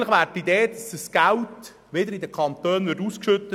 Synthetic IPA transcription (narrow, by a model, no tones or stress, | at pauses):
nləχʋæːɾtid̪eːd̪ɑsəsɡ̥æwt | ʋɪd̪əɾid̪əkχɑnt̪øːnʋɪɾduːskʃʏt̪ːə